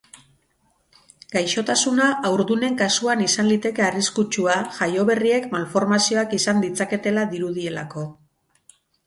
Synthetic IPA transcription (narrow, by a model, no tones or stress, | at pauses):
ɡ̥ajʃo̞t̪asunaawɾðune̞ŋkasuanisanlit̪e̞ke̞ariskut͡ʃuaʝajo̞β̞e̞rie̞kmalfo̞ɾmasio̞akisand̪it͡sake̞t̪e̞laðiɾuð̞ie̞lako̞